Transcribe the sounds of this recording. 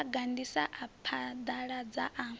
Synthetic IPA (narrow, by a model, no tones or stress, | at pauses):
ɡandisaʔapʰad̪aɺad͡zaʔa